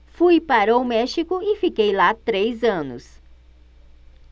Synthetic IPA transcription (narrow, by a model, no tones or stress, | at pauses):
fujpaɾɐʊmɛʃikʊɪfikejlat̪ɾejzɐ̃nʊ̰s